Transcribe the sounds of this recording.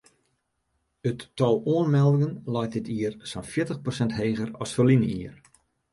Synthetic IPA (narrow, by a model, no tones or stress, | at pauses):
ətːɔlˠuənmɛlˠdɪŋənlɔjt̚dɪtʰiərsɔnfjɪtəχprosɛntɦeːɣərɔsfəlinə̰ḭər